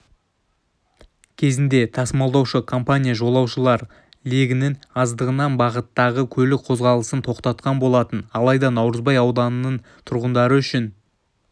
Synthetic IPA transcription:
kʲʰe̞zɪnd̪e̞t̪ʰɑsmɑlˠd̪ɑwʃəkʰo̞mpanʲijaʒo̞lˠɑwʃəlˠɑɾ | leɡʲɪnɪŋɑzd̪əʁənɑnbɑʁət̪ːɑʁəkʲʰɵlɪk̚qʰo̞zʁɑlˠəsənt̪ʰo̞qt̪ɑt̪̚qɑnbo̞lˠɑt̪ənɑlˠɑjd̪ɑnɑwɾəzbɑjɑwd̪ɑnənəɴ | t̪ʰʊɾʁənd̪ɑɾəʏʃɪn

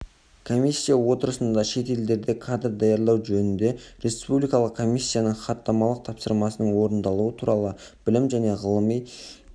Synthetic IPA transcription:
kʰo̞mʲisʲːijawo̞t̪əɾəsənd̪ɑʃe̞t̪e̞ld̪e̞ɾd̪ekʰad̪rd̪ɑjɑɾlˠɑwʒɵnɪnd̪e̞ɾe̞spublijkɑlˠəq̚kʰːo̞mʲisʲːijanəɴχɑt̪ːɑmɑlˠəq̚t̪ʰɑpsəɾmɑsənəɴwo̞ɾənd̪ɑlˠuət̪ʰuɾɑlˠə | b̥ɪlɪmʒæne̞ʁəlˠəmij

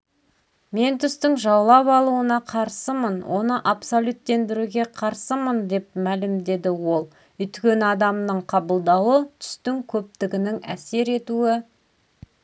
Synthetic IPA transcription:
me̞nt̪ʰʏst̪ɪŋʒɑwlˠɑpɑlˠuənɑqʰɑɾsəmənwʔo̞nəʔapso̞lʲut̪ːe̞nd̪ɪɾuɡʲe̞qʰɑɾsəmənd̪e̞p̚mælɪmd̪e̞d̪ɪwo̞lˠ | ʏt̪kʲe̞nɑd̪ɑmnəɴqʰɑbəlˠd̪ɑwət̪ʰʏ̥st̪ɪŋkʲʰɵp̚t̪ɪɡʲɪnɪŋæ̰se̞ɾe̞t̪uɪ

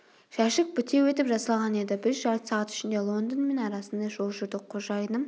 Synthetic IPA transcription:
ʃæʃɪk̚bʏt̪e̞we̞t̪ɪpʒɑsɑlˠʁɑne̞d̪ɪbɪɾʒɑɾt̪sɑʁɑt̪ʏ̥ʃɪnd̪e̞lˠo̞nd̪ənme̞nɑɾɑsənd̪ɑʒo̞lˠʒʏɾd̪ɪqʰoʒɑjd̪əm

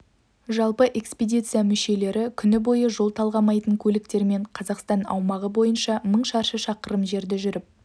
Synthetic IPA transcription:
ʒɑlˠpəʔe̞kspʲed̪ʲijt̪sɨjamʏʃe̞le̞ɾɪkʲʰʏnɪbo̞jəʒo̞lˠt̪ʰɑlˠʁɑmɑjt̪əŋkʲʰɵlɪk̚t̪e̞ɾme̞ɴqʰɑzɑqst̪ɑnɑ̰wmɑʁəbo̞jənʃɑməɴʃɑɾʃəʃɑqəɾəmʒe̞ɾd̪ɪʒʏɾɪp̚

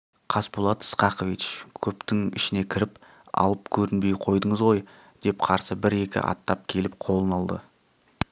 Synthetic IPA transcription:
qʰɑspulˠɑt̪ə̥sqɑqovit͡ʃkʲʰɵpt̪ɪŋɪ̰ʃɪne̞kʲʰɪɾɪp | ɑ̰lˠəp̚kʲʰɵɾɪnbe̞jqʰo̞jd̪əɴəzʁo̞j | d̪̥e̞pqʰɑɾsəbɪɾe̞kʲɪ̰ʔɑ̰t̪ːɑp̚kʲʰe̞lɪpqʰo̞lˠənɑlˠd̪ə̰

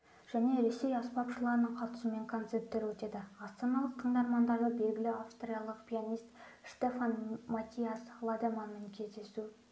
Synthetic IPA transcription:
ʒ̥æne̞ɾe̞se̞jɑspɑpʃəlˠɑɾənəɴqʰɑt̪ə̥sume̞ŋkʰo̞nt̪se̞ɾpt̪ːe̞ɾwɵt̪e̞d̪ɪɑst̪ɑnɑlˠəq̚t̪ʰəɴd̪ɑɾmɑnd̪ɑɾʁəbe̞lɡʲɪlɪafst̪rijalˠəqpʲʰijanʲijst̪ʃt̪e̞fanmat̪ʲijaslˠad̪emanmɪŋkʲʰe̞zd̪e̞su

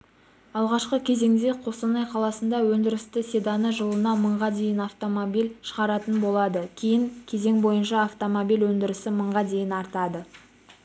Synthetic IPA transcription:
ɑlˠʁɑʃqəkʲʰe̞ze̞ŋd̪e̞qʰo̞sɑnɑjqʰɑlˠɑsənd̪ɑwɵnd̪ɪɾɪst̪ɪsed̪ɑnəʒəlˠənɑməɴʁɑd̪e̞jɪnɑft̪o̞mobijlʃə̥ʁɑɾɑt̪ənbo̞lˠɑd̪əkʲʰijɪŋkʲʰe̞ze̞ŋbo̞jənʃɑːft̪o̞mobijlwɵnd̪ɪɾɪsɪməɴʁɑd̪e̞jɪnɑɾt̪ɑd̪ə

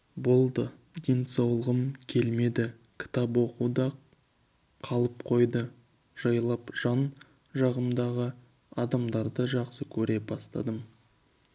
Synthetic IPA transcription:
bo̞lˠd̪ə | d̪ensɑwlˠəʁəmkʲʰe̞lme̞d̪ɪ | kʲʰɪ̥t̪ɑpwo̞quwd̪ɑ | qʰɑlˠəp̚qʰo̞jd̪ə | ʒ̥ɑjlˠɑpʒ̥ɑn | ʒɑʁəmd̪ɑʁə | ɑd̪ɑmd̪ɑɾd̪əʒɑqsəkʲʰɵɾe̞bɑst̪ɑ̰d̪əm

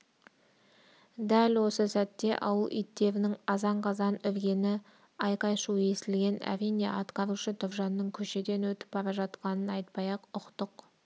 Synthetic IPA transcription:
d̪ælwo̞səsæt̪ːe̞ʔɑwəlˠʔḭjt̪ːe̞ɾɪnɪŋɑzɑɴqʰɑzɑnʏɾɡʲe̞nɪ | ɑjqɑjʃue̞sɪlɡʲe̞næ̰ɾinḛʔɑt̪qɑɾuʃət̪ʰʊvʒɑnːəŋkʲʰɵʃe̞d̪e̞nwɵt̪ɪ̥p̚bɑɾɑʒɑt̪qɑnənɑjt̪̚pɑjɑqʊqt̪əq

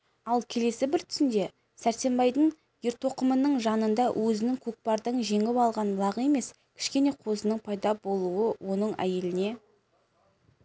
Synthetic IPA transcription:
ɑlˠkʲʰe̞le̞sɪbɪɾt̪ʰʏ̥sɪnd̪e̞ | sæɾse̞mbɑjd̪əɴ | jeɾt̪o̞qəmənəɴʒɑnənd̪ɑwʔɵzɪnɪŋkʲʰɵk̚pɑɾd̪əɴʒe̞ŋɪβɑlˠʁɑnblˠɑʁəe̞me̞s | kʲʰɪ̥ʃkʲe̞ne̞qʰo̞sənəɴpʰɑjd̪ɑbo̞lˠuəwʔo̞nəɴæ̰je̞lɪne̞

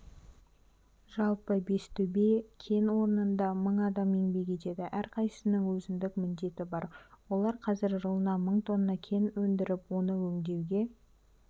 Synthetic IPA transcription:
ʒɑlˠpəbe̞st̪ʰɵbe̞kʲʰe̞nwo̞ɾənənd̪ɑməɴɑd̪ɑmeŋbe̞kʲe̞t̪e̞d̪ɪʔæɾqʰɑjsə̥sənɪŋwɵzɪnd̪ɪkmʏnd̪e̞t̪ɪbɑɾwo̞lˠɑɾqʰɑzɪɾʒəlˠənɑməɴt̪ʰo̞nːɑkʲʰe̞nwɵnd̪ɪɾɪpwo̞nəwɵŋd̪e̞wɡʲe̞

